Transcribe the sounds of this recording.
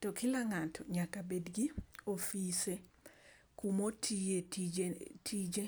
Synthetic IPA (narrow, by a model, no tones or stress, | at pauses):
tɔkilaŋatʰɔɲakabedɡiofise | kumotʰieitʰid͡ʒe